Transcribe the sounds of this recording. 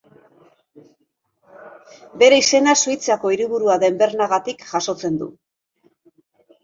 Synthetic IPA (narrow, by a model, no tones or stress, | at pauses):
be̞ɾe̞ise̞nasuit͡sako̞iɾiβuɾuaðe̞mbe̞ɾnaɣat̪ikʝaso̞t͡se̞nd̪ṵ